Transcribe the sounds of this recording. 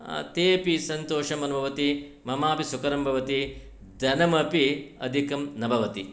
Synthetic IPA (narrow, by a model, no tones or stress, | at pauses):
t̪eːpisɐnt̪oːʂɐmɐnɐbʱɐʋɐt̪i | mɐmaːpisukɐɾɐmbʱɐʋɐt̪i | d̪ʱɐnɐmɐpiɐ̰d̪ʱikɐmnɐbʱɐʋɐt̪i